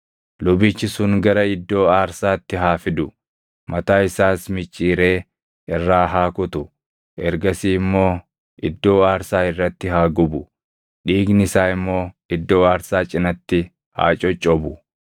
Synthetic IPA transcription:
lʊbɪt͡ʃːɪsʊŋɡɐɾɐɪd̪ːo̞ːaːɾsaːt̪ːɪɦaːfɪd̪ʊ | mɐt̪aːɪsaːsmɪt͡ʃʼːiːɾe̞ː | ɪrːaːɦaːkʊt̪ʊ | ʔɛɾɡɐsiːmːo̞ː | ʔɪd̪ːo̞ːaːɾsaːɪrːɐt̪ːɪɦaːɡʊbʊ | ᶑiːɡnɪsaːɪmːo̞ː | ɪd̪ːo̞ːaːɾsaːt͡ʃʼɪnɐt̪ːɪ | ha̰ːt͡ʃʼɔt͡ʃʼːɔbʊ

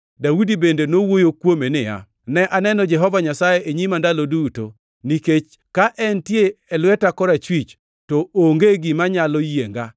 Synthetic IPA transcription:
dawudibendenowojokwomenɪja̰ | nɛʔanɛnɔd͡ʒɛɦɔvaɲasajeʔeɲimandaloduto̰ | niket͡ʃ | kaʔɛntjeɛlwɛtakɔɾat͡ʃwit͡ʃ | tɔoŋɡeɡɪmaɲalɔjeŋɡa

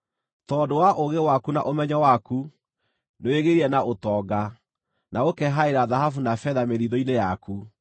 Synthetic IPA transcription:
tɔːdowaʔoɣewakuna̰ʔomɛɲawaku | neweɣeɾiɛnaotɔːɡa | naokɛɦaeɾaðaɦhafunafɛðameðiðɔinejaku

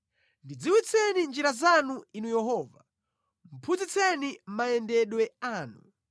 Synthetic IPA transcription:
ndid͡ziwit͡sʰɛnind͡ʒiɾazanuinujɛɦɔːva | m̩pʰud͡zit͡sʰɛnim̩majɛndɛɗwɛaːnu

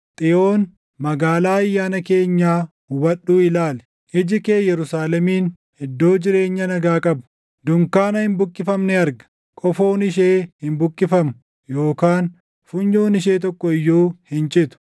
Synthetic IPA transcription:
t̪ʼɪʔoːn | mɐɡaːlaːɐjːaːnɐke̞ːɲːaː | hʊwɐɗːuːɪlaːlɛ | ʔɪd͡ʒɪkeːjɛɾʊsaːlɛmiːn | hɛd̪ːo̞ːd͡ʒɪɾe̞ːɲːɐnɐɡaːkʼɐbʊ̥ | d̪ʊŋkaːnɐhɪmbʊkʼːɪfɐmnɛɐɾɡɐ̥ | kʼɔfo̞ːnɪʃ̬e̞ːhɪmbʊkʼːɪfɐmʊ | jo̞ːkaːn | fʊɲjoːnɪʃ̬eːt̪̬ɔkːɔɪjːuːhɪnt͡ʃʼɪt̪ʊ̥

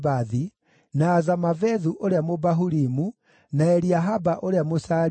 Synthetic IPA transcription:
baði | naːzamavɛðuʔoɾeamobaɦuɾimu | naɛɾiaɦabaʔoɾeamosa

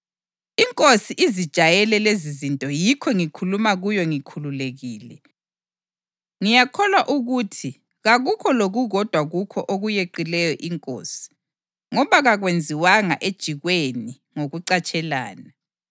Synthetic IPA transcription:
iŋkʼosiʔizid̥ʒ̥ʱajɛlɛlezizintʼɔjikʰɔŋikʰulumaɣujɔŋikʰululeɣiːlɛ | ŋijakʰɔlwaʔuɣutʰi | ɣaɣukʰɔloɣuɣɔd̥ʱwaɣukʰɔʔoɣujeǃilɛjɔʔiŋkʼo̰ːsi̥ | ŋɔβaɣaɣwend͡zʱiwaŋa̰ʔed̥ʒ̥ʱiɣweni | ŋoɣuǀat͡ʃʼɛla̰ːna

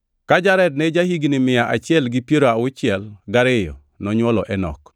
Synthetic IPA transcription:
kad͡ʒaɾɛd̚nɛd͡ʒahiɡnɪmɪjaʔa̰t͡ʃɪɛlɡipjeɾoaʊt͡ʃɪɛlɡaɾɪjɔ̰ | nɔɲwɔlɔʔɛnɔ̰k

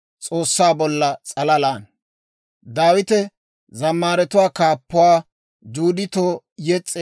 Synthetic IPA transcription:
t͡sʼo̞ːsːaːbɔlːɐt͡sʼɐlɐlaːn | d̪aːwɪt̪ɛ | zɐmːaːɾɛt̪ʊwaːkaːpːʊwaː | d͡ʒuːd̪ɪt̪oː | jɛt͡sʼːe

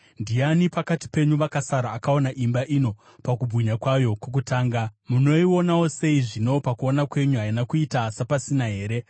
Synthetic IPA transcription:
ndianipakati̥pe̞ɲuʋakasaɾaːkao̞naʔimbaʔino̞ | pakubʱuɲakwajo̞kok̬utaːŋɡamuno̞io̞nawo̞se̞iʐino̞pakuonakwe̞ɲuɦainakuitasapasinaɦe̞ːɾe̞

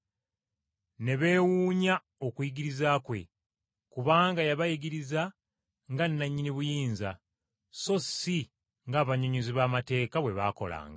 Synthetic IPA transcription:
ne̞βe̞ːwuːɲa | okujiɡiɾizaːkwe̞̰ | kuβaːŋɡajaβajiɡiɾiza | ŋɡanːaɲːiniβujiːnza | so̞si | ŋɡaːβaɲoɲuziβaːmate̞ːkaβwe̞βa̰ːko̞̰la̰ːŋɡa

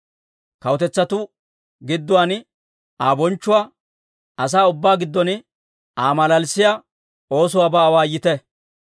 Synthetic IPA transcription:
kɐwɔt̪ɛt͡sːɐt̪ʊ | ɡɪd̪ːʊwaːn | aːbɔnt͡ʃːʊwaː | ɐs̬aːʊbːaːɡɪd̪ːɔn | aːmɐlɐlsɪjaː | o̞ːsʊwaːbɐːwaːjːɪt̪ɛ

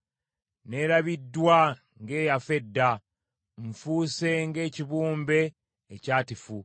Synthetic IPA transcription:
ne̞ɾaβidːwa | ŋɡe̞ːjafe̞dːa | ɱfuːse̞ŋɡe̞ːciβuːmbe̞ː | caːtifu

